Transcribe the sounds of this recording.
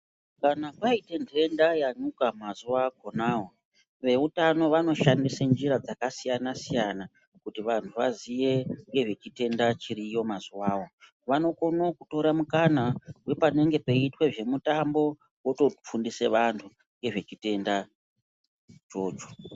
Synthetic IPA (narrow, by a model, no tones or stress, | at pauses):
kanapaite̞nde̞ndajaɲukamazuʋaɡʱo̞naːwo | ʋe̞utano̞ʋano̞ʃandisend͡ʒiɾad͡zakasijanasijana | kutiʋantʰuʋazije̞ŋɡe̞ʐe̞t͡ʃite̞ndat͡ʃiɾijo̞mazuwaːwo̞ | ʋano̞ko̞nokuto̞ɾamukanawe̞pane̞ŋɡe̞peitwe̞ʐe̞mutambo̞ | wo̞to̞p͡fundise̞ʋantʰu | ŋɡe̞ʐe̞t͡ʃite̞nda | t͡ʃo̞ːd͡ʒo̥